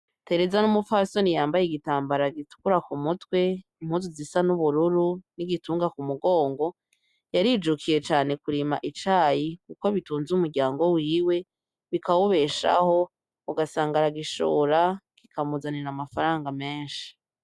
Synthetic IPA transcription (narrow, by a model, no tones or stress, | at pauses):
te̞ɾe̞zanumufasonijaːmbajiɡitaːmbaɾaɡitu̥kuɾakumutwe̞imhuːnzuzisanuβuɾuɾuniɡituːŋɡakumuɡo̞ːŋɡo̞ | jaɾid͡ʒukʰije̞t͡ʃaːne̞kuɾima̰ʔit͡ʃaːjikuko̞βituːnzumuɾɟaːŋɡo̞wiːwe̞ | βikawuβe̞ʃa̰ho̞ | uɡasaːŋɡaɾaɡiʃo̰ːɾakikʰamuzaniɾamafaɾaːŋɡame̞ːnʃi̥